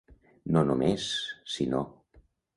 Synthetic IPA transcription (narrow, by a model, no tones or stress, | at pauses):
nonumesːino̰